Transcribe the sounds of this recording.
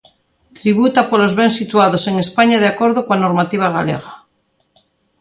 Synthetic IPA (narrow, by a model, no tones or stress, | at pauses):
t̪ɾiβut̪apolozβensit̪uaðoseŋespaɲaðeakoɾðokwanoɾmat̪iβ̞aɣa̰lḛɣa